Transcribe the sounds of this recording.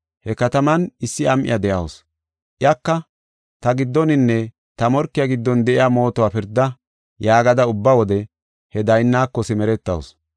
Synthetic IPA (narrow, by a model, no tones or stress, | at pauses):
hɛkɐt̪ɐmɐnɪsːɪɐmʔɪ̰jɐd̪ɛʔɐws | ʔɪjɐkːɐ | t̪ɐɡɪd̪ːɔnɪnːɛ | t̪ɐmɔɾkːɪjɐɡɪd̪ːɔnd̪ɛʔɪjamo̞ːt̪ɔwaːpɪɾd̪ːɐ | jaːɡɐd̪ɐʊbːawɔd̪ɛ | hɛd̪ɐjnːaːkːɔsɪmɛɾɛt̪ːɐ̰ws